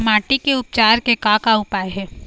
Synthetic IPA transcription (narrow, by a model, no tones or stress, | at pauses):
maːʈikeʊp̚t͡ʃaːɾkekakaʊpaːjɦɛː